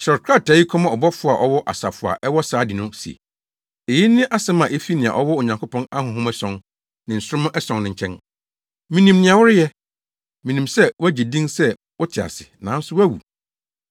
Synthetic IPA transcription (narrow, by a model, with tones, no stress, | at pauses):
t͡ɕɾɛ˨kʰɾa˦˨tʰaː˨ji˦kʰɔ̃˦mã˨ɔ˨bɔ˦fʊ˨˦a˨ʔɔ˦wɔ˦ʔa̰˨sa˨fʊ˨a̰˨ʔɛ˦wɔ˦saː˨˦di˨nʊ̃˦si˨ḛ˨ | e˨ji˦nɪ̃˦ʔa˦sɛ˦mã˨ʔe˦fi˦nɪ̃˨a̰˨ʔɔ˦wɔ˦o˨ɲã˨ŋkʰo˦pʰɔ̃˦na˦hʊ̃˨ɦʊ̃˦mɛ˦sɔ̃˨n | nɪ̃˨n̩˨sʊ˦ɾʊ̃˦m˦ʔɛ˦sɔ̃˨ŋnɪ̃˨ɲ̩˨t͡ɕʰɛ̃˦n | mĩ˨nĩ˨mnɪ̃˨ã˨wʊ˦ɾʊ˦jɛ˦ | mĩ˨nĩ˨msɛ˦wæ˦d͡ʑi˨dĩ˦nsɛ˦ | wɔ˦tʰɪ˨a̰˨sɪ˨nã̰˨˦n̩˦sʊ˦wæ˦wṵ˨